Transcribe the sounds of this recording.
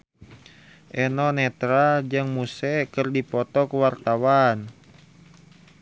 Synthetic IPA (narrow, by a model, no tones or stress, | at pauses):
ʔɛnɔnɛt̪ɾad͡ʒɨŋmusɛkərdipɔt̪ɔkuwart̪awan